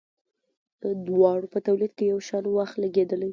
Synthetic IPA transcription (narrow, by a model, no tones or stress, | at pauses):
d̪̥əd̪wɑɽopət̪awlid̪kejawʃɑnwaxt̪laɡed̪əlaj